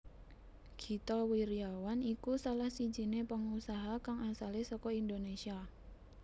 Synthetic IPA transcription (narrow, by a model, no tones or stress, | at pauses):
ɡ̥i̤t̪ɔwiɾiawanikusalahsi̥d͡ʒi̤nepəŋusaɦakaŋasalesɔkɔindonesia